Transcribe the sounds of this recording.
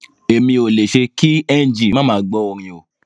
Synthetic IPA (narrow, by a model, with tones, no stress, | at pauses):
e˨mĩ˧o˨le˨ʃe˧ki˦ɛ˦˨n˨d͡ʒi˨mã˦mãː˦ɡ͡bɔ˧˦o˨ɾ̃ĩ˧o˨